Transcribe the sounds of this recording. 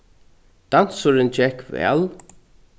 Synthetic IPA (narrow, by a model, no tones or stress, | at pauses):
d̪̥an̥sʊɹɪnd͡ʒɛhkvɛ̰ːl